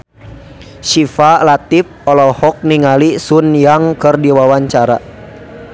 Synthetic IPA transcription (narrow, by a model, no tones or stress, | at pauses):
ʃifalat̪ip̚ɔlɔhɔk̚niŋalisunjaŋkɨrdiwawaɲt͡ʃaɾa